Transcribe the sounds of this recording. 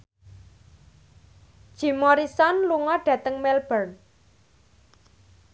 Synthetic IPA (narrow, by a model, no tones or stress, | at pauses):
d̥ʒ̥i̤mɔɾisɔnluŋɔɖ̥ä̤t̪əŋmɛlb̥ərn